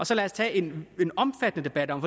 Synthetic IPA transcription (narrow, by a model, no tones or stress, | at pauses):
ɒ̽sɒ̽lɛːɐst͡sʰɛːe̝ne̝nɒ̽mfæd̥ənəd̥e̝b̥æd̥ɒ̽mfɒ